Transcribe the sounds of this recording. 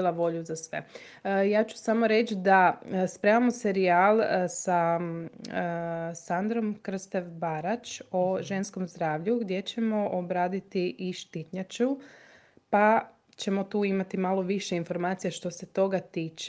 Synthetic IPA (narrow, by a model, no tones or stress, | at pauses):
laʋo̞ʎuzasʋḛ | jaːt͡ʃu̥samo̞ɾe̞t͡ʃd̪aspɾemamose̞ɾiaːlˠsa | sand̪ɾo̞mkr̩st̪eʋbaɾat͡ʃoʒe̞nsko̞mzd̪ɾaːʋʎuɡd̪ʲje̞t͡ɕe̞mo̞ʔobɾaːd̪it̪iʔiʃt̪it̪ɲat͡ʃu | pa | t͡ʃe̞mo̞t̪uːimat̪imalˠo̞ʋiʃeinfo̞ɾmaːt̪sijaʃt̪o̞se̞t̪o̞ɡat̪iːt͡ʃ